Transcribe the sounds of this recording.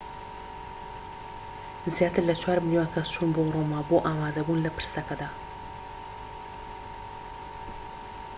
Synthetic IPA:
zjɑt̪ɪɾlat͡ʃwaɾməniwakast͡ʃʰunbowɾomaːboʔamad̪abunlapɨ̥ɾst̪akad̪a

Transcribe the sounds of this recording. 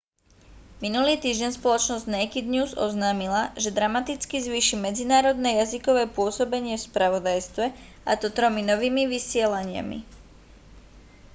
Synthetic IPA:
minuliːt̪iːʒɟɛnspɔlɔt͡ʃnɔzɟʲnajkid̪ɲuːzɔznaːmilaʒɛd̪ɾamat̪it͡skizʋiːʃimɛd͡zinaːɾɔd̪nɛːjazikɔʋɛːpʊɔsɔbɛɲɪɛfspɾaʋɔd̪ajst̪ʋɛ | ʔat̪ɔt̪ɾɔminɔʋiːmiʋisɪɛlaɲɪa̰mḭ

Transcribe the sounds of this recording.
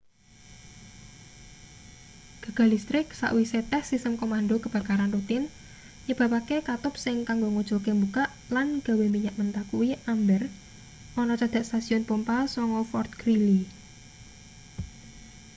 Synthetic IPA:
ɡ̥a̤ɡ̥a̤list̪ɾɪksa̰ʔwiset̪ɛhsisəmkomanɖokəb̥a̤kaɾanrut̪ɪn | ɲəb̥ä̤pakekat̪ʊp̚sɪŋkaŋɡoŋod̥ʒ̥o̤kembukaʔ | lanɡ̥a̤wemiɲaʔmənt̪akuwiambər | ɔnɔt͡ʃad̪̥a̤ʔst̪asiɔnpumpasɔŋɔfɔrt̪̚kɾili

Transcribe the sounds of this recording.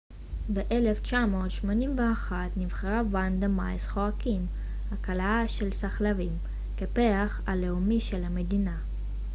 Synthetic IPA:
be̞ʔe̞le̞ft͡ʃamo̞ːt̪ʃmo̞nimveaχat̪nivχeʁavand̪emajsχoakim | hakalaaʃe̞lsaχlavim | kepeaχa̰le̞umiʃe̞lame̞dina

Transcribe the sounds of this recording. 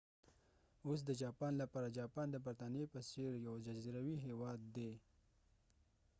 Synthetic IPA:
os̬d̪əd͡ʒɑpɑnlapɑɾad͡ʒɑpɑnd̪əbaɾt̪ɑnjepəseɾjawd͡ʒaziɾawiɦewɑd̪ːe

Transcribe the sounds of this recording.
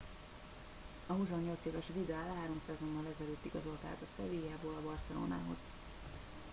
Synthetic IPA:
ɒɦusoɲːo̞lt̪seːvɛʃvid̪aːlɦaːɾo̞msɛzo̞nːɒlːɛzɛløːt̪ːiɡɒzo̞lt̪a̰ːt̪ɒsɛ̰viːjaːboːlɒbɒrsɛlo̰ːna̰ːɦo̰z̥

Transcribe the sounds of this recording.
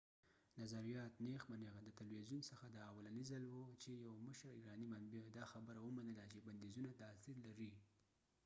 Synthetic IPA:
nazaɾijɑt̪nexmaneɣd̪ət̪alwezjunsəxad̪əawalanizalwut͡ʃejawməʃɾiɾɑnimanbid̪ɑxabəɾawəmanəlat͡ʃeband̪ezunat̪ɑsiɾlaɾi

